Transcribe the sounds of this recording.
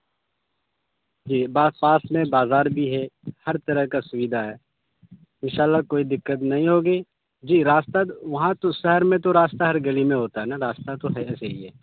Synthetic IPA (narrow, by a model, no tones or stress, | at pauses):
d͡ʒiːbaːpaːsmẽbaːzaːɾbʱiɦɛhɐɾt̪ɐɾəɦkasʊʋɪd̪ʱaɦɛː | ɪnʃaːlːakoːid̪ɪkːət̪nɐɦĩɦoːɡəiː | d͡ʒiːɾaːst̪aʋɐɦãt̪oʃɐɦəɾmẽt̪̬oɾaːst̪aɦɐɾɡɐlimẽɦoːt̪aɦɛnaɾaːst̪at̪oɦɛɛːseɦiɦɛː